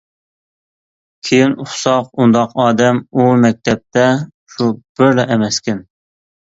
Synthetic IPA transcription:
kʲʰejinuχsɑqund̪ɑqɑːd̪ɛmumɛk̚ʲt̪ʰɛp̚t̪ʰɛ | ʃub̥ɪɾlɛʔɛmɛskʲɪn

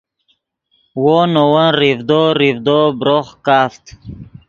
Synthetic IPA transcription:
wonowənɾivd̪oɾivd̪obɾoχkaːft̪

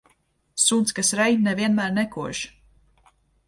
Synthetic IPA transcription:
sunt̪skasɾɛjnɛviɛnmæːɾnɛkuɔʒ

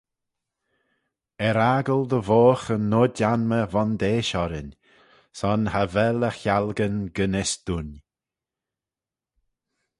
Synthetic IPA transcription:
ɛɾaɡəld̪əvoːxənːoːdanməvɔnd̪eːʃɔɾɪnʲ | sɔnhavɛləxjalɡənɡənɪsd̪̥un

